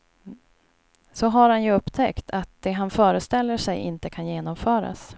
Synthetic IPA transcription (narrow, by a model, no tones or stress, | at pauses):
sɔɦaɾhanjɵɵpːt̪ʰɛkt̪ʰat̪̚d̪̥ɛɦanfœːɾəst̪ɛlːəʂɛjʔɪ̰nt̪əkʰanjeːnɔmfœːɾa̰s